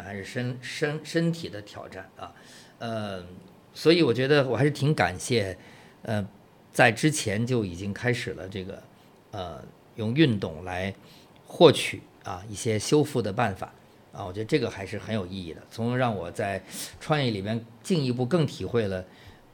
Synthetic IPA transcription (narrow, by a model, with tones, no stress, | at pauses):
xa˧˥ɪʂɻ̩˥˩ʂə˥nʂə˥nʂə˥nt̪ʰi˨˩d̪ə˦t̪ʰjɑ˨˩ʊʈ͡ʂa˥˩nɐ̰˧ | ə˧ | swɔ˧˥i˧˥wɔ˨˩t͡ɕɥɛ˧˥d̪ə˧wxʂɻ̩˥˩t̪ʰi˧˥ŋka̰˨˩nɕjɛ˥˧ | ə˧ | t͡sa˥˩ɪʈ͡ʂɻ̩˥t͡ɕʰjɛ˧˥nt͡ɕjo˥˩ʊi˨˩t͡ɕi˥ŋkʰa˥ɪʂɻ̩˨˩lə̰˦ʈ͡ʂɤ˥˩ɡə̰˩ | ə̰˧ | jʊ˥˧ŋy˥˧nt̪ʊ̰˥˩ŋla˧˥ɪ | xwɔ˥˩t͡ɕʰy̰˨˩˦ɐ̰˧i˥˩ɕjɛ˥ɕjo˥ʊfu˥˩d̪ə˩pa˥˩nfa̰˨˩˦ | ɐ̰˧˩wɔ˨˩t͡ɕɥɛ˧˥d̪ə˧ʈ͡ʂɤ˥˩ɡə˩xa˧˥ɪʂɻ̩˥˩xə˧˥njo˨˩ʊi˥˧i˥˩d̪ə̰˩t͡sʰʊ˧˥ŋ˧ɻɑ˥˩ŋwɔ˨˩t͡sa˥˧ɪʈ͡ʂʰwɑ˥˧ŋjɛ˥˩li˨˩mjɛ˥nt͡ɕi˥˧ŋi˧˥p̬u˥˧kɤ˥˩ŋt̪ʰi˨˩xwe˥˩ɪlə˩